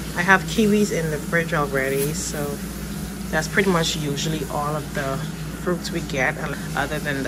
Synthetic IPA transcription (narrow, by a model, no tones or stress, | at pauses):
aɪəv̥kʰiwizɪ̃nðɨfɹɪd͡ʒɔl̩ˠɹɛɾisoʊ | ðætspʰɹ̥ɪɾimʌt͡ʃjuʒl̩ˠiʔɔlˠʌvðə | fɹutswiɡɛɾə̃ | ʔʌ̰ðə˞ðɨ̃nð